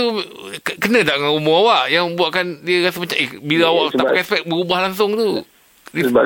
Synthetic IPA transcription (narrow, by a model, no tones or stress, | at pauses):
u | kənə̃daʔŋanumʊawaʔjaŋməmbuaʔkandiəɣasəmat͡ʃãŋebiləawaʔt̪apaɛspɛk̚bəɾubahlaŋs̬ʊŋt̪u | di